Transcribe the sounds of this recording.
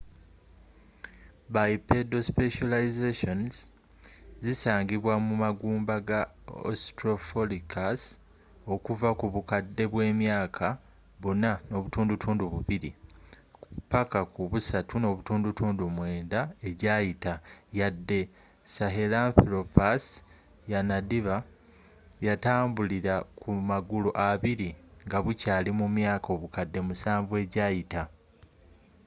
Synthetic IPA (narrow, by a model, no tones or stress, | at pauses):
bajipedo̞speʃalaizeʃo̞nz | zisaːɲɟiβwamumaɡuːmbaɡa | o̰stɾo̞folikʰas | o̞kuvakuβukadːe̞βwe̞ːmjaːkʰa | βunano̞βutuːndutʰuːnduβuβiɾḭkpakakuβusatʰuno̞βutuːndutuːndumwe̞ːndae̞ɟaːjitajadːe̞ | saɦelaːɱfiɾopas | janadiβa | jataːmbuliɾakumaɡuluʔaβiɾiŋɡaβucaːlimumjaːko̞βukadːe̞musaːɱvue̞ːɟaːjita